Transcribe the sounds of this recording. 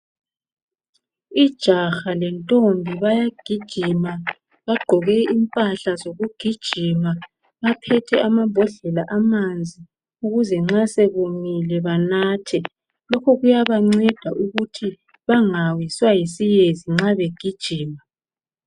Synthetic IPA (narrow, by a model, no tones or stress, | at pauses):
id̥ʒ̥ʱaxalɛntʼombʱiβajaɡ̥ʱid̥ʒ̥ʱima | βaɡ͡ǃʱɔɣɛimpʼaɬazoɣuɡ̥ʱid̥ʒ̥ʱima | βapʰɛtʰɛʔamambʱɔɮɛlaʔamand͡zʱi | uɣuzɛŋ͡ǁaseβuŋilɛβanaːtʰɛ | lɔkʰɔɣujaβaŋ͡ǀɛd̥ʱaʔuɣutʰi | βaŋawiswajisijeziŋ͡ǁaβeɡ̥ʱid̥ʒ̥ʱiːma